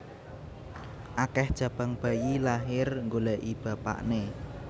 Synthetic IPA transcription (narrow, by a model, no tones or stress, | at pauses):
ʔakɛhd̥ʒ̥a̤b̥a̤ŋb̥a̤jilaɦɪrŋɡolaʔib̥a̤pa̰ʔne